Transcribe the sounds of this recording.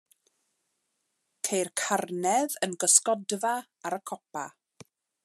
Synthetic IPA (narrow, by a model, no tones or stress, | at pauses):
kʰejrkʰarnɛðənɡəskɔdva | aɾəkʰɔpa̰